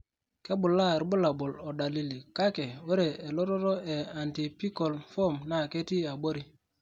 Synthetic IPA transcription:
ke˦ɓʊ˨la˦˨ɾbu˦la˨bo˨lo˨da˨li˦li˨ka˦ke˨we˦ɾe˨e˨lo˦ɾɔ˦ɾo˦e˨a˨nti˨pi˦ko˨lfɔ˦˨mna˦˨ke˦ti˦a˨ɓo˦ɾi˦

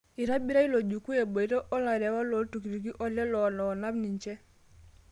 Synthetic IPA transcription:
i˨ɾa˦bi˦ɾa˦i˦lo˨d͡ʒu˨ku˦e˨bo˨i˦ɾɔ˦ʔɔ˦la˨ɾɛ˨wa˦lo˨˦tu˨ki˨ɾi˨ɡi˦ʔɔ˦lɛ˦lɔ˨nɔː˨na˦bni˨ɲt͡ʃɛ˦

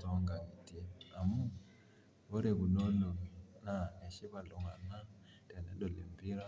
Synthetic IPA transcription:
to˦ŋɡa˨ŋi˨ti˦a˨mu˦ | βo˦ɾe˨βu˨no˦no˨na˨e˨ʃi˦βa˨lo˨ŋa˨na˦ | te˨nḛ˦do˨lḛ˨mbi˦ɾa˦

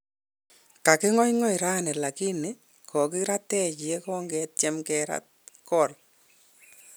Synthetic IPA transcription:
ka˨kɪ˦ŋɔ˦jŋɔ˦jɾa˦nɛ˨la˨ki˦ne˦ | kʰɔ˨kɪ˦ɾa˦tɛ˦t͡ʃi˨ɛ˦kɔ˦ŋɡɛt̚t͡ʃɛ˦mkɛ˨ɾa̰˦t̚kɔ˦˨l

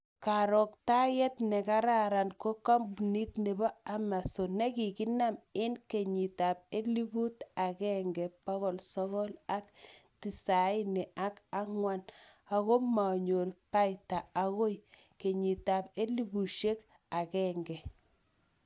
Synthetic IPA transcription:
ka˨ɾɔ˨k̚ta˦jɛ˦tnɛ˨ka˦ɾa˦ɾa˨nko˦ka˦mbni˦tne˨bɔ˦a˦ma˨so˨ne˦ki˨ki˦na˦mɪ˦nke˨ɲi˨ta˨p̚e˦li˦bu˦ta˨kɛ˦ŋɡɛ˨pa˦ɣɔ˨lsɔ˦ɣɔ˦la˦kti˨sa˨˦nɛ˨ʔa˦ka˦ŋwa˦na˨ɣo˦ma˨ɲo˨rpa˦jta˨a˨˦ɣo˦j | ke˨ɲi˨ta˨pe˦li˦bu˨ʃe˦k | a˨kɛ˦ŋɡɛ˨

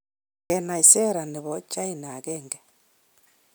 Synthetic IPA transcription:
ɣena˨ise˦ɾa˨niβo˨t͡ʃa˦ina˨ɣeːŋɡe˨

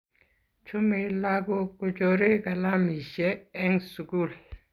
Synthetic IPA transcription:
t͡ʃʰu˦mi˦la˦k̬u˦ku˦t͡ʃo˨ɾi˦ka˨la˦mi˨ʃɛː˦ŋsu˨ku˦˨l

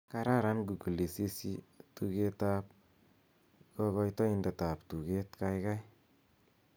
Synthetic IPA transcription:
ka˧ɾa˦ɾa˦nɡu˨ku˨le˨si˦si˦tu˧ke˦ta˦p̚ | kɔ˦ɣɔ˧jtɔ˦ɪ˦nde˨ta˨ptu˨ke˦tka˧jka˦j

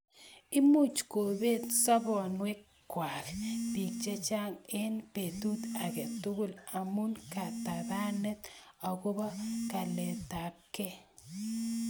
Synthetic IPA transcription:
ɪ˦mu˦t͡ʃko˨be˦tsɔ˦bɔ˨nwe˦ | kwa˨kbi˨k̚t͡ʃe˦t͡ʃa˦ŋɪ˦npe˨tu˦ta˨ke˨tʊ˦ɡʊ˦la˨mu˦nka˨ta˨da˦nɛ˦t̪ɔ˨ko˦bɔ˦ka˨le˨ta˨kːe˦

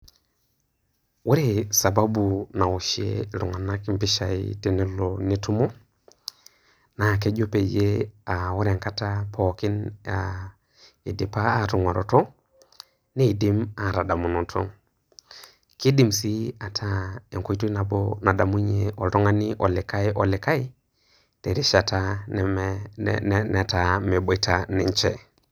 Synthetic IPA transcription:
wu˦ɾe˦sa˨ba˦bu˨na˨wu˨ʃḛ˦lu˨ŋa˨na˦kmpi˦ʃa˨ḭte˦nɛ˦loni˦tu˦mo˦ | na˨ke˦d͡ʒo˦pe˨d͡ʒe˦a˨wɔ˦ɾe˨ŋka˦tapʰo˨ki˦na | i˨di˨paː˦˨tu˨ŋa˨ɾo˨tɔ˦ | ni˦˨di˦ma˨ɾa˨da˨mu˨no˨tʰo̰˦ | ki˦di˨msi˦a˨tʰa˦e˨ŋko˦i˦to˦i˦na˨bona˨da˨mu˦ɲe˨ʔɔ˨lɔ˦ŋa˦ni˦ʔɔ˨lɪ˨ka˦jʔɔ˨lɪ˨ka˦j | te˨ɾi˦ʃa˨ta˦n˨ | nɛ˨ta˨me˨bo˨i˦ta˦ni˨ɲt͡ʃɛ˨

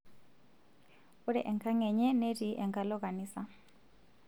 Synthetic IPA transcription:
u˦ɾɛ̰˨ʔɛ˨ŋkʰa˦ŋɛ˨ɲɛ˦ne˦tiʔɛ˨ŋkʰa˦lɔ˦ka˨niːsa

